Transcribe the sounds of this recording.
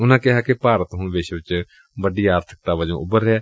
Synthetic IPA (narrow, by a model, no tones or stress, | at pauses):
ʊnãːkɪɦaːkɪpaːɾət̪ɦʊɳʋɪʃʋɪt͡ʃ | bəɖiːaːɾt̪ʰɪ̥k̚t̪aːʋəd͡ʒõ̰ːʊbəɾːeɛː